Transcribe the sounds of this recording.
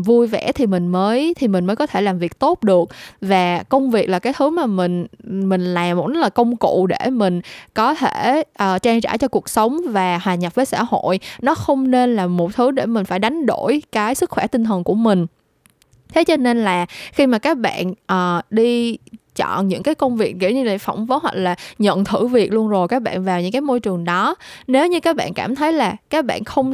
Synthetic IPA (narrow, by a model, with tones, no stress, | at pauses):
vu˧jvɛ̰˧˥t̪ʰi˨˩mï˨˩ŋ̟məː˨˦jt̪ʰi˨˩mï̟˨˩məː˨˦jkɔ˨˦t̪ʰe˧˩laː˨˩mvi˨˩ək̚t̪o˦˥t̚ɗɨ˨˩ək̚vaː˨˩kə˧wŋ͡mvi˨˩ək̚laː˨˩kaː˨˦jt̪ʰɨ˨˦maː˨˩mï˨˩ŋ̟mï˨˩ŋ̟laː˨˩mo˨˩ɗ̚laː˨˩kə˧wŋ͡mkṵ˧˨ɗe˧˩mï˨˩ŋ̟kɔ˨˦t̪ʰe˧˩ʔəː˨˩t͡ɕaː˧ŋzaː˧˩t͡ɕɔ˧ku˨˩ək̚sə˨˦wŋ͡mvaː˨˩hwaː˨˩ɲa˨˩p̚vəː˨˦sa̰ː˧˩ho̰˧˨jnɔ˨˦xə˧wŋ͡mne˧nlaː˨˩mo˨˩t̚t̪ʰɨ˨˦ɗe˧˩mï˨˩ŋ̟faː˧˩jɗa˨˦jŋ̟ɗo˧˩˨jkaː˨˦jsɨ˦˥k̚xwɛ˧˩t̪ï˧ŋt̪ʰə˨˩nku˧˩əmï˨˩ŋ̟ | t̪ʰe˨˦t͡ɕɔ˧ne˧nlaː˨˩xi˧maː˨˩kaː˦˥k̚ɓa̰ː˧˨nʔəː˨˩ɗi˧t͡ɕɔ̰˧˨nɲɨ̰˧˥ŋkaː˨˦jkə˧wŋ͡mvi˨˩ək̚ki˧˩wɲɨ˧la̰˧˩fa˧˩wŋ͡mvə˨˦hwa̰˧˨˩laː˨˩ɲə̰˧˨nt̪ʰɨ˧˩vi˨˩ək̚lu˧ənzo˨˩jkaː˦˥k̚ɓa̰ː˧˨nvaː˨˩wɲɨ̰˧˥ŋkaː˨˦jmo˧jt͡ɕɨ˨˩əŋɗɔ˨˦ne˨˦wɲɨ˧kaː˦˥k̚ɓa̰ː˧˨nkaː˧˩mt̪ʰə˨˦jlaː˨˩kaː˦˥k̚ɓa̰ː˧˨nxə˧wŋ͡m